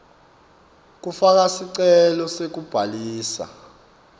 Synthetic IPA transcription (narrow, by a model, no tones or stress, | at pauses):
k̬ufak̬asiǀɛlɔsek̬ub̥ʱaliːsa̰